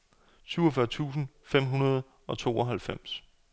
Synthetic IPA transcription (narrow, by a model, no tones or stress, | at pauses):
syʊɒfɶɐt͡sʰṵːsn̩fem̰ɦunɐð̞̩ˠ | ɒ̽t͡sʰo̝̰ːɒɦælfem̰s